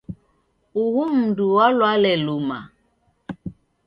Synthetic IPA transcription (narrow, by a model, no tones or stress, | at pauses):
uhum̩duwalwalɛluma̰